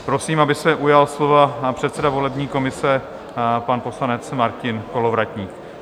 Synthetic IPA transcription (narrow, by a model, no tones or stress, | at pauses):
pɾo̞siːmabɪsɛʔujalslo̞vapr̝̥ɛt̪sɛdavo̞lɛbɲiːko̞mɪsɛ | panpo̞slanɛt͡smaɾcɪnko̞lo̞vɾacɲiːk